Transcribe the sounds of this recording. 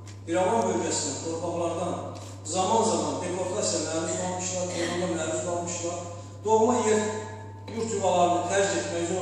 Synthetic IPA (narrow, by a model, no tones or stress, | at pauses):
biɾɑvɑnbøvæsind̪int̪ʰo̞ɾpʰɑɣlˠɑɾd̪ɑn | zɑmɑnzɑmɑnd̪ekʰo̞ɾt̪ʰɑsjɑmæːɾyzolˠmɯʃlˠɑɾk̪ʰomund̪ɑmæɾyzolˠmɯʃlˠɑɾ | d̪̥oɣmɑje | uɾt̪ʰyvɑlˠɑɾɯnɯt̪ʰæɾd͡ʒet̪mæjzo